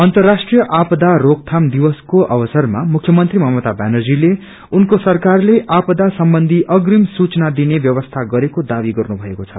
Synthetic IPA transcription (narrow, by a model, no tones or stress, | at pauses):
ʌnt̪ʌrːasʈrijʌʔapʌd̪arok̚t̪ʰamd̪iwʌskoʔʌbʌsʌrma̰mukʰːjʌmʌnt̪rimʌɦmʌt̪abanʌrd͡zile | unkosʌrkarleʔapd̪asʌmbʌnd̪ʱiʔʌɡrimsut͡snad̪inebjʌwʌst̪ʰaɡʌɾekod̪abiɡʌrnubʱʌekot͡sʰʌ̰